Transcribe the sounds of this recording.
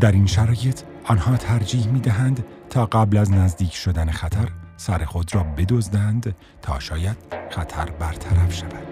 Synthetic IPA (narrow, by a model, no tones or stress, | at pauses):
d̪̥æɾinʃæɾɒːjet̪ʰ | ɒːnhɒːt̪ʰæɾd͡ʒiːhmiːd̪æɦænd̪ | t̪ʰɒːɢæblæznæzd̪iːcʰʃo̞d̪ænexæt̪ʰæɾsæɾexod̪rɒːbe̞d̪ozd̪ænd̪ | t̪ʰɒ̰ːʃɒːjæd̪̥xæt̪ʰæɾbæɾt̪ʰæɾæfʃævæd̪̥